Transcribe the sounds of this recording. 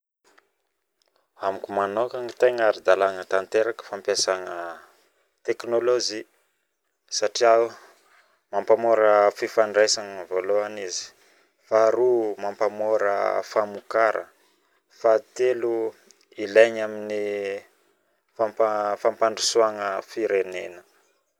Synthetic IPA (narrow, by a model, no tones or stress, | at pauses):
amikumanokaŋit̪eŋaɾid̪alaŋət̪ant̪eɾakə̥fampjasaŋə | t̪eknolozi | saʈ͡ʂiau | mampamoɾəfifaɳɖ͡ʐejsaŋəvoloanizi̥ | faːɾumampamoɾə̰famukaɾə̰ | fat̪elu | ileɲamini | fampafampaɳɖ͡ʐusuaŋəfiɾenenə̥